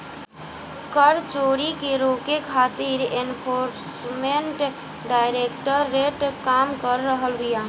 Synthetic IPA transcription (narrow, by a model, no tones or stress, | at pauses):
kəɾt͡ʃoɾikeɾokekʰat̪iɾenpʰoɾsmeɳʈ | ɖajɾekʈəɾːeʈkamkəɾːəɦəlɾija